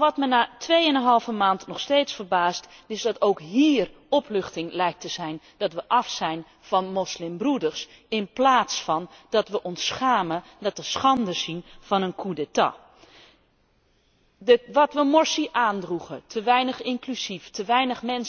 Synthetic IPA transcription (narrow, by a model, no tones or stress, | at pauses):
ʋɔtmənaːtʰʋeːənəɦɑlˠvəmaːntnɔxsteːtsfərbaːstɪsdɔtowkɦiər | ɔplʏxtɪŋlɛjk̚təzɛjn | d̥ɔtʋəʔɑfsɛjn | fɔnmɔslɪmbrudərs | ɪnplaːtsfɔndɔtʋəʔɔnsxaːmə | dɔt̚əsxɑndəsinfɔnənkʰudətɑ̰ | əʋɔtʋəmɔɹsiʔaːndruɣətʰəʋɛjnəxɪŋklyziftəʋɛjnəxmɛns